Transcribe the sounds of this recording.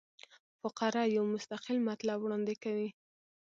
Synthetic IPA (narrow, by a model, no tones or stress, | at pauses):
fʊqɑɾɑjawmʊst̪aqɪlmat̪labwɽɑnd̪ɪkawi